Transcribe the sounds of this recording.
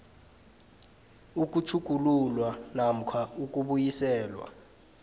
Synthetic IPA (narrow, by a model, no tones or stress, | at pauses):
uk̬ʼut͡ʃʰuk̬ʼululwanam̩kʰwauk̬ʼuɓujisɛːlwa̰